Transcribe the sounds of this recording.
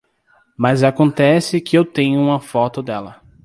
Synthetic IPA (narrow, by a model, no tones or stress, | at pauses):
mɐzakõnt̪ɛsɪkɪewt̪ẽɲʊũmɐfɔt̪ʊd̪ɛlɐ